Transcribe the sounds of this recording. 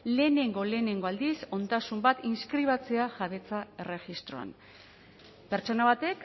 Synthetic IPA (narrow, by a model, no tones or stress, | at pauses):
le̞ːne̞ŋɡo̞le̞ːne̞ŋɡo̞ald̪iso̞nd̪asumbat̪inskɾiβ̞at͡se̞aʝaβe̞t͡sae̞re̞ɣist̪ɾo̞a̰n | pe̞ɾt͡ʃo̞naβat̪e̞k